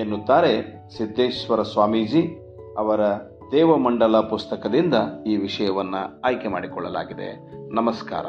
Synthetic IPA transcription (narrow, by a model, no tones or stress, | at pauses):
enːut̪ːaːɾe̞ | sid̪ːeːʃsʋɐɾɐsʋaːmiːd͡ʒi | ɐʋɐɾɐ | d̪ɛːʋɐmɐɳɖɐlɐpust̪ɐkɐd̪ind̪ɐiːʋiʂɐjɐʋɐnːuaːjkemaːɽikɔɭːɐ̰la̰ːɡid̪e̞̰ | nɐmɐska̰ːɾɐ̰